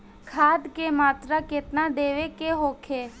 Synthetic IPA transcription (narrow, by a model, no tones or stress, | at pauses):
kʰaːd̪kemaːt̪ɾaket̪nad̪eːʋekeɦoːkʰeː